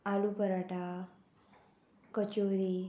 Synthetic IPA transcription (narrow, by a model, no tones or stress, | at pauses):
alupəɾaʈa | kət͡ɕoɾi